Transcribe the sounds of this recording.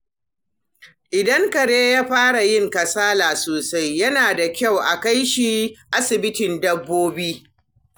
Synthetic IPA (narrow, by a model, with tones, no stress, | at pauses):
ʔɪ˨dɐ˦ŋkɐ˨ɽeː˦jaː˦ɸaː˦ɽa˨jɪ˦˨ŋkɐ˨saː˦laː˨soː˨sa˦jːɐ˦naː˨da˨kʲa˦˨wʔa˨ka˦jʃi˨ʔa˦sɪ˨bɪ˦tɪ˨ndɐ˦bːoː˦biː˦